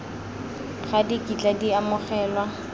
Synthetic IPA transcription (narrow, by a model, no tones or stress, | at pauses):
χadikʼit͡ɬʼadiamʊχɛːlwa